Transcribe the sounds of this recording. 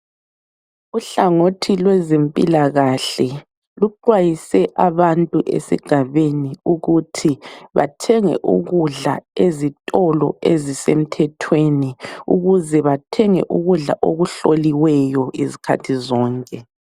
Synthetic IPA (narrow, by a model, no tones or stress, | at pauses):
uɬaŋotʰilwɛzempʼḭlaɣaɬɛ | luǃwajisɛʔaβantʼuʔḛsḭɡ̥ʱaβeniuɣutʰiβa̰tʰɛŋɛ̰ʔṵɣuɮa̰ezitʼɔlɔ̰ʔezisem̩tʰɛtʰweniṵɣuzɛβatʰɛŋɛ̰ʔuɣuɮa̰ʔoɣuɬoliwɛjɔezikʰa̰tʰizɔːŋkʼɛ